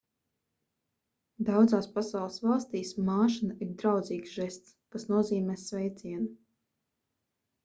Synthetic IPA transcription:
d̪awd̪zaːspasawlˠəsvɑlˠst̪iːsmaːʃinaiɾd̪ɾawd̪ziːksʒɛst̪skasnuɔziːmʲɛːsvɛjt̪siɛnu

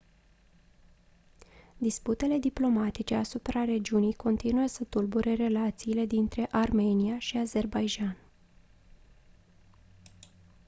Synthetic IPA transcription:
d̪isput̪e̞le̞d̪iplo̞mat̪it͡ʃe̞asupɾare̞d͡ʒiunijko̞nt̪inuəsət̪ulbuɾe̞ɾe̞lat̪siːle̞d̪int̪ɾe̞ʔarme̞niaʃiaze̞rbajd͡ʒan

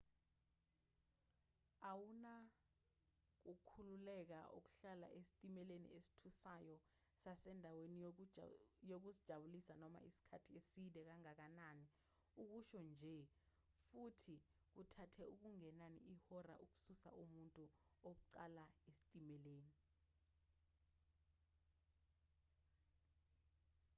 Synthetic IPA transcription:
awuna | k̬ukʰululɛk̬aʔṵk̬u̥ɬala̰ʔesi̥tʼimɛlenḭesi̥tʰusajɔ | sasɛndʱaweni | jok̬usid̥ʒ̥ʱaɓulisanɔma̰ʔisi̥kʰatʰiesilɛk̬aŋak̬anani | uk̬uʃɔnd͡ʒʱɛ | futʰi | k̬utʰatʰɛuk̬uŋɛnanḭʔihɔra̰ʔuk̬u̥susa̰ʔumuntʼuok̬uǀalaesi̥tʼimɛleːni

